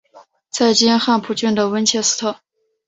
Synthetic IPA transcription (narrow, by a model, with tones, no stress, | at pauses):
t͡sʰa˥˩ɪt͡ɕi˥nxa˥˧npʰu˧˥˩t͡ɕy˥˩nd̪ə˩wə˥nt͡ɕʰjɛ˥sɹ̩˥t̪ʰɤ˥˩